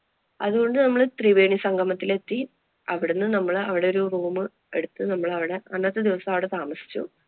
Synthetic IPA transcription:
ɐðuɣo̞ɳɖɨnɐmːɐɭt̪riʋeːɳisɐŋɡʱɐmɐt̪ːile̞t̪ːi | ɐʋiɽunːɨnɐmːɐɭɐʋiɽeo̞ɾuruːmɨ | e̞ɽut̪ːɨnɐmːɐɭɐʋiɽe̞ɐnːɐt̪ːɨd̪iʋɐsɐmɐʋiɽet̪aːmɐsi̥t͡ɕːṵ

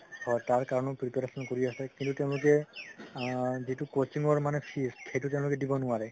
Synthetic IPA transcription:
hɔtaɹkaɹɔnɔpɹipeɹasɔnkoɹiasɛkintuteʊ̃lʊkɛ | zitukot͡ʃiŋɔɹmanɛpʰiskʰejtuteʊ̃lʊkɛdibɔnʊaɹɛ

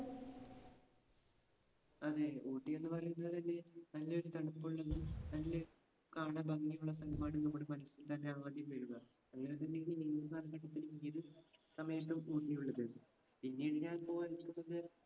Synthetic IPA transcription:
ɐðeoːʈːije̞nːɨpɐrɐjunːɐðɨt̪ɐnːe̞nɐlːɐo̞ɾut̪ɐɽɐpːuɭːɐnːɨmnɐlːe | kaːɳɐbɐŋːijuɭːɐsɐnɐmaːɽumnɐmːoɽemɐnɐsilt̪ɐnːe̞aːʋaːd̪jɐmʋɐɾuɣɐ | ɐŋːɐnet̪̬ɐnːejiɳiniːnːɐkaːlɐɡɐʈːɐt̪ːinumiðɨsɐmɐjɐpːumoːʈːijuɭːɐðɐ | pinːeɽiɲaːnlpo̞ːɐɾikʲːunːɐðɨ

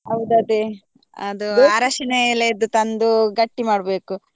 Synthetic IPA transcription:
ɦɐwd̪uɐd̪e | ɐd̪uaːɾɐʂɐnelːed̪ut̪ɐnd̪uɡɐʈːimaːɽbe̞ːku

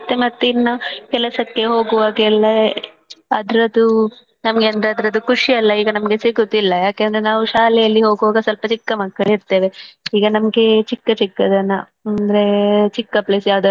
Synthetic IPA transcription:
t̪ːemɐt̪ːinːɐkɛlɐsɐkːe̞ɦo̞ːɡuʋaːɡlːɐ | ɐd̪ɐɾɐd̪u | nɐmɐɡeɐnd̪ɐɾeɐd̪ɐɾɐd̪ukuʂiɐlːɐiːɡɐnɐmɐɡe̞siɡut̪ːilːɐjaːkend̪ɾenaːʋuʃaːlɛjɐlːiɦo̞ːɡuʋaːɡɐsɐlpɐt͡ʃikːɐmɐkːɐɭiɾt̪e̞ːʋe̞iːɡɐnɐmɐɡe̞t͡ʃikːɐt͡ʃikːɐd̪ɐnːɐ | ɐnd̪ɐɾe̞t͡ʃikːɐpleːsjaːʋd̪ɐ

